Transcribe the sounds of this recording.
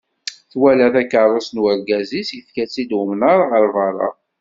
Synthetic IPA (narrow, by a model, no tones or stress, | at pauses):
θwælæθækːərˤːɑsnwəɾɡæzisjəfkæt͡sːid̪wəmnaɾˤaʁəɾvɑɾˤɑ̰